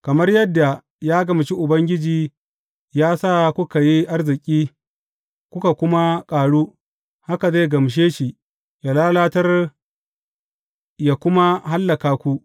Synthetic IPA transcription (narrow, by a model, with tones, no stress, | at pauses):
kɐ˨mɐ˦rjɛ˦dːa˨ | jaː˦ɡɐ˨m˨ʃi˦ʔʊ˨bɐ˦ŋɡʲɪ˦d͡ʒiː˨ | jaː˦saː˦kʷʊ˦ka˨ji˦ʔa˦rzɪ˨kʲʼiː˦ | kʷʊ˦ka˨kʷʊ˦ma˦kʼaː˨ɽuː˦ | ha˦ka˨za˦˨ɡɐ˨m˨ʃ̬eː˦ʃi˨ | ja˨laː˦laː˦tɐ˦r | jaː˨kʷʊ˦ma˦ɦa˦lːɐ˨kaː˨kʷu˦